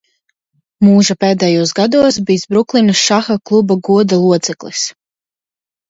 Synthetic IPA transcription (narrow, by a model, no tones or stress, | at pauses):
muːʒapeːd̪ɛjuɔsɡad̪uɔsbiːsbɾuklˠinɨsʃaxaklˠubaɡuɔd̪alˠuɔt̪sɛklˠḭs